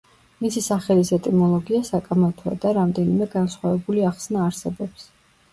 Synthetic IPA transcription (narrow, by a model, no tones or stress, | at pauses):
misisaχɛlisɛt̪ʼimɔlˠɔɡiasakʼamɛt̪ʰwa̰d̪aɾamd̪ɛnimɛɡansχwavɛbuliaχsnaːɾsɛbɔps